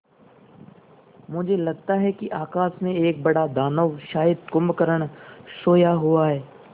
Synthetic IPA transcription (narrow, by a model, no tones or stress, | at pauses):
mʊd͡ʒʱelɐɡ̚t̪aɦɛkiʔaːkaːsmẽeːk̚bɐɽad̪aːnəʋʃaːjəd̪̚kʊmbkəɾəɽ̃soːjaɦʊaɦɛː